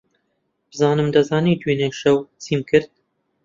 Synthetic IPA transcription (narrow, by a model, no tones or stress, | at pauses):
b̥ɨzɑːnɨmd̪ɐzɑːniːt̪ʰwiːneːʃɛwt͡siːmkʰɨɾt̪̚